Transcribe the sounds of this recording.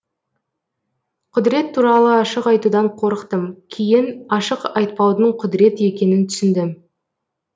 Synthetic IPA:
qʰʊd̪ɾe̞t̪ʰːuɾɑlˠəɑʃəqɑjt̪ud̪ɑɴqʰo̞ɾəqt̪əmkʲʰejɪnɑʃəqɑjt̪̚pɑwd̪əɴqʰʊd̪ɾe̞t̪əe̞kʲe̞nɪnt̪ʰʏ̥sɪnd̪ɪm

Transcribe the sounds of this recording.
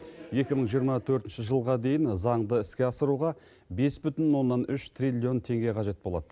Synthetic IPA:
je̞kʲɪməɴʒijəɾmɑt̪ʰɵɾt̪ɪnʃɪʒəlˠʁɑd̪e̞jɪnzɑɴd̪əɪskʲe̞ɑsəɾuʁɑ | be̞sbʏt̪ɪnwo̞nːɑnʏʃt̪ʰrilʲio̞nt̪ʰe̞ŋɡʲe̞qʰɑʒe̞t̪̚bo̞lˠɑ̰d̪ə

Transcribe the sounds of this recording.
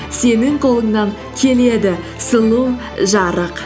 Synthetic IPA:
se̞nɪŋqʰo̞lˠəŋnɑŋ | kʲʰe̞le̞d̪ɪ | səlˠuw | ʒɑɾəq

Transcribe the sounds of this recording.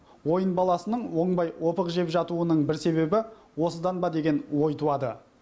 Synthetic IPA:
wo̞jənbɑlˠɑsənəɴwo̞ɴbɑjwo̞pəqʒe̞pʒɑt̪uənəɴbɪɾse̞βe̞bɪ | wo̞səd̪ɑnbɑd̪e̞ɡʲe̞nwo̞jt̪ʰuɑd̪ə̰

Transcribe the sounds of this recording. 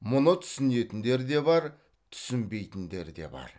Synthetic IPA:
mʊnət̪ʰʏ̥sɪne̞t̪ɪnd̪e̞ɾd̪e̞bɑɾ | t̪ʰʏ̥sɪmbe̞jt̪ɪnd̪e̞̰ɾd̪e̞̰bɑ̰ɾ

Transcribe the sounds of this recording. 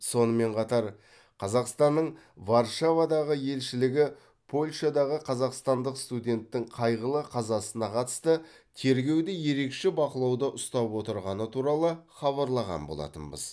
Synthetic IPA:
so̞nəme̞ɴqʰɑt̪ɑɾ | qʰɑzɑqst̪ɑnːəɴ | vɑɾʃavad̪ɑʁəje̞lʃɪlɪɡʲɪ | pʰo̞lʲʃad̪ɑʁəqʰɑzɑqst̪ɑnd̪əqst̪ud̪ʲe̞nt̪ːɪŋqʰɑjʁəlˠəqʰɑzɑsənɑqʰɑt̪ə̥st̪ə | t̪ʰe̞ɾɡʲe̞wd̪eje̞ɾe̞kʃebɑqəlˠɑwd̪əʔʊst̪ɑpwo̞t̪əɾʁɑnət̪ʰuɾɑlˠəχɑβɑɾlˠɑʁɑ̰mbolˠɑ̰t̪ə̰nbə̰z

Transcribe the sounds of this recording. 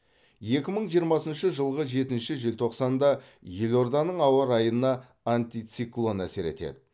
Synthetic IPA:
je̞kʲɪməɴʒijəɾmɑsənʃəʒəlˠʁəʒe̞t̪ɪnʃɪʒɪlʲt̪ʰo̞qsɑnd̪ɑ | je̞lo̞ɾd̪ɑnəɴɑwɑɾɑjənɑ | ant̪ʲit̪siklˠo̞næ̰se̞ɾe̞̰t̪ḛd̪ɪ

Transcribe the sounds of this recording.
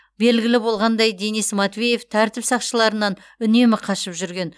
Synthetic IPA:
be̞lɡʲɪlɪbo̞lˠʁɑnd̪ɑjd̪enismɑt̪vʲeje̞ft̪ʰæɾt̪ɪpsɑqʃəlˠɑɾənɑn | ʏne̞mɪqʰɑʃəpʒʏɾɡʲe̞n

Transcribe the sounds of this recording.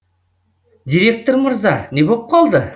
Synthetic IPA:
d̪ʲiɾʲe̞k̚t̪oɾməɾzɑne̞bo̞p̚qʰɑlˠd̪ə

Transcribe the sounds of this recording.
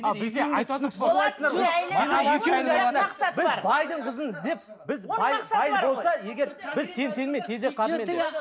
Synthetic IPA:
ɪeɑj̪bolˠɑjt̪ənəɾoʒineeeeɑj̪ənbɪzbɑjd̪əɴqʰəzənɪzd̪e̞p̚ | bɪzɑjbɑjənbo̞lˠsɑje̞ɡʲe̞ɾbɪzt̪ʰe̞nt̪ʰe̞nmet̪ʰe̞zeqʰɑmen

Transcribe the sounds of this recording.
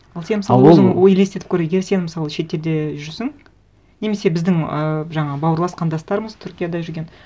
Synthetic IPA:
ɑlˠse̞nmɪsɑlˠəɵzəŋwojlest̪eɪpkʲʰɵɾeeɡʲe̞ɾse̞nmɪsɑlˠəʃe̞t̪ːe̞ɾd̪e̞ʒʏɾsɪŋ | ne̞me̞se̞bɪzd̪ɪŋəʒɑɴɑbɑwəɾlˠɑsqɑnd̪ɑst̪ɑɾəməzt̪ʰʏɾkʲijad̪ɑʒʏɾɡʲe̞n

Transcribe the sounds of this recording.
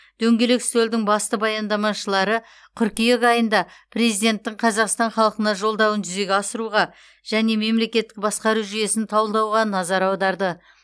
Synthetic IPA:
d̪̥ɵŋɡʲe̞lekst̪ɵld̪ɪŋbɑst̪əbɑjɑnd̪ɑmɑʃəlˠɑɾə | qʲʰʏɾkʲijekɑjənd̪ɑpʰre̞zijd̪ʲe̞nt̪ːɪŋɴqʰɑzɑqst̪ɑɴχɑlˠəqənɑʒo̞lˠd̪ɑwənʒʏze̞ɡʲeɑsəɾuʁɑ | ʒ̥æne̞me̞mle̞kʲe̞t̪ːɪk̚bɑsqɑɾuʒʏje̞sɪnt̪ʰɑwəlˠd̪ɑwʁɑnɑzɑɾɑwd̪ɑɾd̪ə

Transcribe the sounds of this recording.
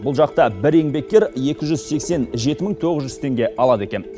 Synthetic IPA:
bʊlˠʒɑqt̪ɑbɪɾe̞ŋbe̞k̚ʲːe̞ɾje̞kʲɪʒʏzse̞kse̞nʒe̞t̪ɪməŋt̪ʰo̞ʁəzʒʏz̥t̪ʰe̞ŋɡʲe̞ʔɑlˠɑd̪ekʲe̞n

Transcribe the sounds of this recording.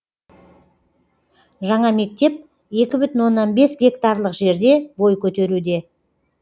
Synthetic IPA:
ʒɑɴɑme̞k̚t̪e̞p̚ | je̞kʲɪbʏt̪ɪnwo̞nːɑnbe̞sɡʲe̞kt̪aɾlˠəqʒe̞ɾd̪e̞bo̞jkʲʰɵt̪e̞ɾud̪e̞

